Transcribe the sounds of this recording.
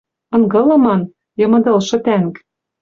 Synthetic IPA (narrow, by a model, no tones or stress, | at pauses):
ɤ̆ŋɡɤ̆lɤ̆mɑn | jɤ̆mɤ̆d̪ɤ̆lʃɤ̆t̪æŋk